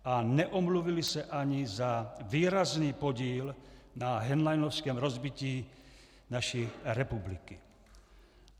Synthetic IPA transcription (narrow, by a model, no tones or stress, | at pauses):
ʔanɛʔɔmluvilisɛʔaɲizaviːɾazniːpoɟiːlnaɦɛnlajnofskɛːmɾɔzbiciː | naʃiɾɛpubliki